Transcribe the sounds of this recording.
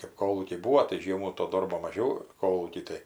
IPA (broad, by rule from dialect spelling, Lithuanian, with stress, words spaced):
kɜp ˈkoːlˠuːkʲɛɪ ˈbuːʋoː tɐɪ ˈʒʲiɛmuː toː ˈdoːrboː mɐˈʒʲɛʊ ˈkoːlˠuːkʲiː tɐɪ